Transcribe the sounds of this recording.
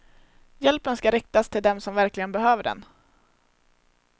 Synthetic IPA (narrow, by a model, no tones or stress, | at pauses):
jɛlpənskaɾɪk̚t̪ast̪ʰɪld̪ɛmsɔmvæɾklɪɡənbɛɦøːvəɖɛ̰n